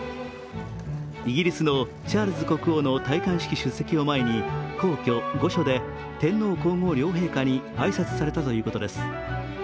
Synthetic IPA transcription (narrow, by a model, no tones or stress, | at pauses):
iɡʲiɾʲisɨno̞ | t͡ɕaːɾɯzɨko̞kɯ̟ono̞t̪aikãɰ̃ɕi̥kʲiɕɨsːe̞kʲio̞maeɲ̟iko̞ːkʲo̞ɡo̞ɕo̞d̪e̞ | t̪ẽ̞nːo̞ːko̞ːŋo̞ːɾʲo̞ːɦe̞ːkaɲ̟iaisat͡sɨ̥saɾe̞t̪at̪o̞jɯ̟ːko̞t̪o̞d̪e̞sɨ̥